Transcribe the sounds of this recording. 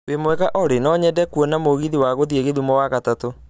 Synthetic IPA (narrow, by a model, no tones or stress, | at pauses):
wemwɛɣaʔɔɾenɔɲɛdɛkwɔnamoɣiðiwaɣoðieɣeðumɔwaɣatato